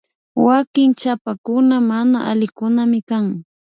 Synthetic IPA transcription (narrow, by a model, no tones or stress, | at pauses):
wakɪŋt͡ʃapakʊnamanaʔalɪkʊnamɪkaŋ